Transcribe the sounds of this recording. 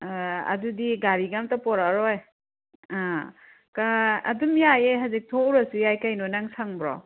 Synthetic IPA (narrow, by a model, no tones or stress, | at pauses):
ɐ̰dudiɡaɾiɡamtapɔɾaɾɔj | a | kaɐ̰dumjajejɦazik̚tʰɔwɾasujajkajnɔnaŋsaŋbɾɔ̰